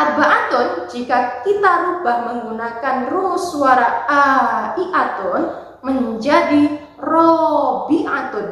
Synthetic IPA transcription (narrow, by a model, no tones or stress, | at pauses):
ʔabaʔat̪ɔnd͡ʒikakit̪aɾubahməŋɡunakanrusuaɾaaiʔat̪ɔn | məɲd͡ʒadi | rɔbiʔat̪ɔn